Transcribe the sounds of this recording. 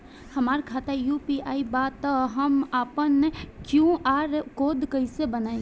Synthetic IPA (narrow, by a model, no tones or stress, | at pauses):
həmaːɾkʰaːt̪ajuːpiaːibat̪ɦəmaːpənːekjũaːɾkoːd̪kəɪsebənaːẽ